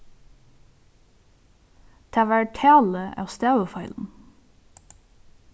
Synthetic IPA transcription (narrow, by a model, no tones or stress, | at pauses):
t̪ʰæːʋæɹʈʰæːləʔɑ̰ːst̪æːʋəfɑɪln̩